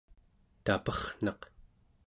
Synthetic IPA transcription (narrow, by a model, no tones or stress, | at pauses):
t̪apʌχn̥ɑq